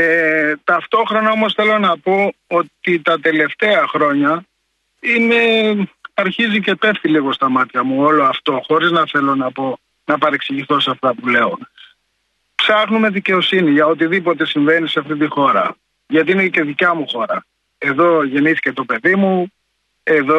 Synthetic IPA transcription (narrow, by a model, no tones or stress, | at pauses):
et̪ɐft̪o̞xɾo̞nɐo̞mo̞sθe̞lo̞nɐpo̞o̞t̪it̪ɐt̪e̞le̞ft̪eɐxɾo̞ɲɐ | ine̞ | ɐɾçizicepe̞ft̪iliɣo̞st̪ɐmɐt̪çɐmuo̞lo̞ɐft̪o̞xo̞ɾiznɐθe̞lo̞nɐpo̞ | nɐpɐɾeksiʝist̪o̞seɐft̪ɐpule̞o | psɐxnume̞ðice̞o̞siniʝɐo̞t̪̬iðipo̞t̪̬e̞siɱve̞niseɐft̪it̪̬ixo̞ɾɐ̰ | ʝɐt̪iinece̞ðicɐmuxo̞ɾɐ | e̞ðo̞ʝe̞niθi̥ce̞t̪o̞pe̞ðimu | e̞ðo